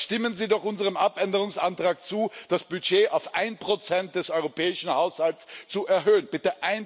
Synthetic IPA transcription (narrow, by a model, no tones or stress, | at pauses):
ʃtɪmənziːdɔχʔʊnzəʁ̞əmʔapʔɛndəʁ̞ʊŋsʔantʁ̥aːk̚t͡suːd̥asb̥yd͡ʒeːʔaʊfʔaɪnpʁ̥ot͡sɛnt̚d̥ɛsɔʏʁopʰɛːɪʃn̩haʊshaltst͡suʔɛɐɦøːənbɪtəʔaɪn